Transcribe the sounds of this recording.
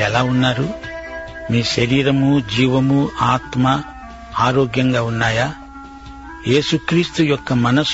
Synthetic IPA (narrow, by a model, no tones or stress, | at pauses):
ɛlaːunːaːɾu | miːʃɐɾiːɾɐmud͡ʒiːʋɐmuaːt̪mɐ | aːɾoːɡjɐŋɡaːunːaːjaː | je̞ːsukɾiːst̪ujɔkːɐmɐnɐs